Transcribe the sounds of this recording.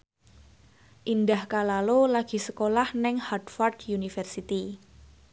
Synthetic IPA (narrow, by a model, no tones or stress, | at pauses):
ʔindahkalalolaɡ̥i̤səkolahnɛŋhadfɔrd̥junifɛrsit̪i